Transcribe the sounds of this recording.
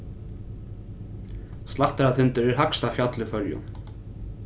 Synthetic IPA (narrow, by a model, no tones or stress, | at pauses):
st̪laht̪aɾat̪ʰɪnt̪ʏɾɛɾɦakst̪afjat̪lʏfœɾjʊ̰n